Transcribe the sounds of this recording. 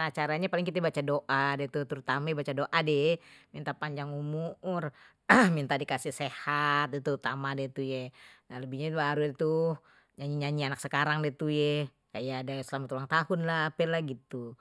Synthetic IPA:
at͡ʃaɾaɲapalɪŋkit̪abat͡ʃadoʔadet̪ut̪əɾut̪amabat͡ʃadoʔademint̪apaɲd͡ʒaŋumuʊr | mint̪adikasɪhsehat̪̚det̪uut̪amadɛt̪ujenaləbihɲabaɾut̪u | ɲaɲiɲaɲianaksəkaɾaŋdet̪uje | kajadasəlamat̪ulaŋt̪ahʊnlapɛlahɡit̪u

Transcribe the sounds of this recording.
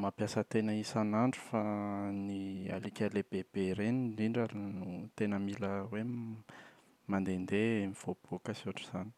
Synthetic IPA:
mapjasət̪enəisanaɳɖ͡ʐufania̰likʲaleb̥eb̥eɾeniɖ͡ʐiɳɖ͡ʐalnut̪enəmiləwe | mand̪end̪eemiv̥ob̥okəsuaʈ͡ʂiz̥ani̥

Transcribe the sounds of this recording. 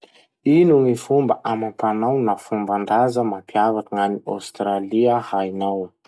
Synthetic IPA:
inuŋifumbəʔamapanawnafumbaɳɖ͡ʐazəmapiavakaŋania̰wst̪ɾaliəhajnaw

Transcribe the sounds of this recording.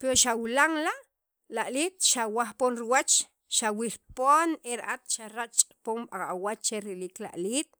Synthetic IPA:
peɾoʃawilaŋlaʔ | laʔlit̪̚ʃawaχponɾiwat͡ʃ | ʃawilpoːneɾʔat̪ʃaɾaʔt͡ʃʼqʼpomɓaŋawat͡ʃt͡ʃeɾilikla̰ʔliːt̪̚

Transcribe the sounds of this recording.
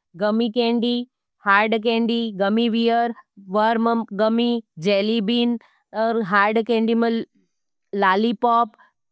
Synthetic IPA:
ɡɐmikẽːɳɖi | haːɾɖk̬ẽːɳɖiɡɐmiʋijəɾʋəɾmɡəmid͡ʒeːlibiːn | əɾɦaːɾɖkẽːɳɖimə̃ | laːlipɔːp

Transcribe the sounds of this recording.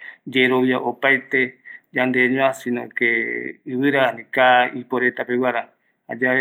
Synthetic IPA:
d͡ʒeɾoβjaʔopajt̪ed͡ʒand̪eɲũãsĩnõkeɨβɨɾanĩkaipoɾet̪apewaɾa | ha̰d͡ʒae

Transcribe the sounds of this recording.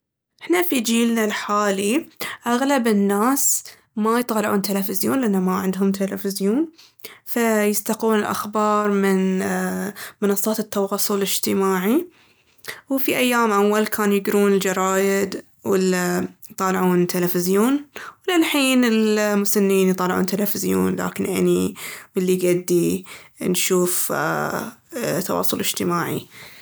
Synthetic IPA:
ʔɪħnafid͡ʒiːlnalħaːliʔaɣlabɪnːaːs | majt̪ˤɑːlɪʕuːnt̪ɪlafɪzjoːnlʔɪnːamaʕɪnd̪ɦʊmt̪ʰalafɪzjoːn | fajɪst̪aquːnɪlʔa̰xbɑːɾˤmɪn | mɨnɑsˤːɑːt̪ɪt̪ːɑwɑsˤːʊlɪd͡ʒt̪ɪmaːʕi | wfiʔajːaːmʔawːalkʰaːnujɪɡɾuːnɪld͡ʒɑɾˤɑːjɪd̪ | wɪlːajt̪ˤɑːlʕuːnt̪alafɪzjoːnwɪlalħiːnɪlmʊsanːiːnjt̪ˤɑːlʕṵːnt̪alafɪzjo̰ːnla̰ːkɪnʔɪ̰niwɪlːiɡad̪ːinʃuːf | t̪ːɑ̰wɑ̰ːsˤʊlɪd͡ʒ̥t̪ɪmaːʕḭ

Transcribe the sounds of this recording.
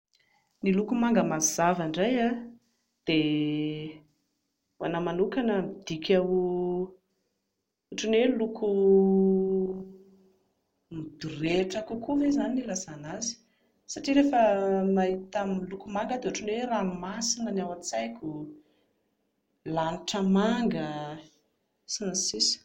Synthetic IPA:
nilukumaŋɡəmaz̥avaɳɖ͡ʐaja | d̪̥e | wa̰namanukanəmid̪̥ikʲʰawu | uʈ͡ʂinweluku | mid̪̥uɾeʈ͡ʂəkukʰuvezaniilazanazi̥ | saʈ͡ʂiɾefəmaɦit̪amlukumaŋɡəd̪euʈ͡ʂunweranimasinənawat͡sajkʲu | laniʈ͡ʂəmaŋɡə | sinasisi̥

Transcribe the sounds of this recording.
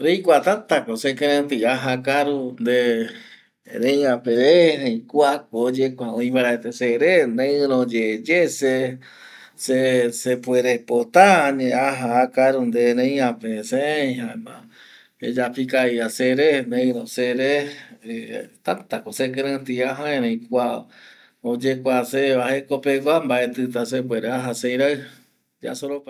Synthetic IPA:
ɾejkʷat̪at̪akosekẽɾẽnt̪iaɦakaɾund̪e | ɾẽj̃ãpeɾeɾẽikuakod͡ʒekʷãõĩβaɾaet̪eseɾenẽɾõd͡ʒed͡ʒese | sesepueɾepot̪aaɲẽaɦaakaɾund̪eɾẽj̃ãpesẽɦãmã̰ | ed͡ʒapikaiaseɾenẽɾõseɾe | t̪at̪akosekeɾãt̪iaɦãẽɾẽj̃kʷa | od͡ʒekʷaseβahekopeɡʷambaʔet̪ɨt̪as̬ep̬weɾeaɦasejɾaɨ | d͡ʒa̰soɾopa

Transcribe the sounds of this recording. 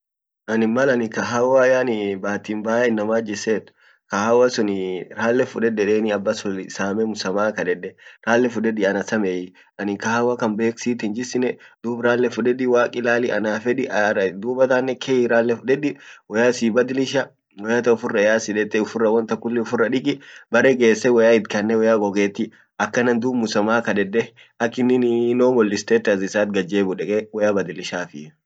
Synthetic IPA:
ʔɐnɪmːɐlɐnɪkɐɦawajaːnɪbaːt̪iːmbaːʔɛɪnːɐmaːd͡ʒɪseːt̪ʊ̥ | kɐhawɐsʊnɪɾaːlːɛfʊᶑɛᶑɛᶑeːnɪɐbːɐsʊsaːmɛmʊsɐmaːkɐᶑɛᶑɛɾaːlːɛfʊᶑɛᶑɪɐnɐsɐmejɪ | ʔɐnɪkɐhawakɐmbeːksiːt̪ɪnd͡ʒɪsɪnɛd̪̥uːbɾaːlːɛfʊᶑɛᶑɪwaːkʼɪlaːlɪʔɐnaːfɛᶑɪʔd̪uːbɐt̪aːnːɛkʰejɪɾaːlːɛfʊᶑɛᶑɪwɔjaːsiːbɐd̪ɪlɪʃɐ | wɔjaːt̪ɐʊfʊrːɐɛjaːsɪᶑɛt̪ːɛʊfʊrːɐwɐnt̪ɐkːʊlːɪʊfʊrːɐᶑɪkʼɪbɐɾɛɡe̞ːsːɛwɐjaːɪd̪kɐnːɛwɔjaːɡɔɡeːt̪ːɪ | ɐkːɐnɐnd̪uːbmʊsɐmaːkɐd̪ɛd̪ːɛ | ɐkːɪnɪnnoːmɔlːɪst̪eːt̪ːɐzɪsaːt̪̚ɡɐd͡ʒeːbʊᶑɛkʼɛwɐjaːbɐd̪ɪlɪʃaːfɪ

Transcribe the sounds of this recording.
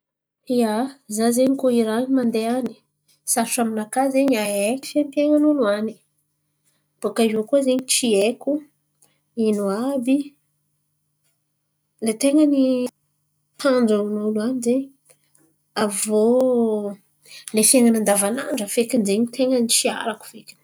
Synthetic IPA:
iazazeɲikoiɾaɲimand̪eani̥ | sasaminakazeɲaeki̥fenp̪eŋanunuani̥ | b̥okaʒokuzeɲit͡ʃieku | inuabi | let̪eŋəni | t̪and͡zaunuluanizeɲ | avo | lefieŋanand̪avana̰ɳɖ͡ʐəfekinzeɲit̪eŋənit͡ʃia̰ɾaku̥v̥eki̥n̥

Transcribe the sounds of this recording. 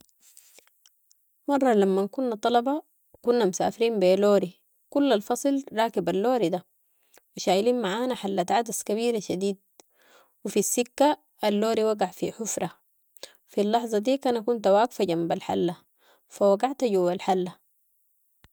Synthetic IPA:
mɑrˤːɑlamːakunːat̪ˤɑlɑbɑ | kunːamusa̰ːfiɾiːmbeːloːɾi | kulːalfɑsˤɨlɾˤɑːkibalːoːɾid̪a | wiʃaːjliːnmaʕaːnaħalːat̪ʕad̪askabiːɾaʃad̪iːd̪̚ | wifisːikːa | alːoːɾiwaɡaʕfḭħufɾˤɑ | filːɑħzˤɑd̪iːkanakunt̪awaːɡfaɟambalħa̰lːa | fawaɡaʕt̪aɟuwːalħalːa

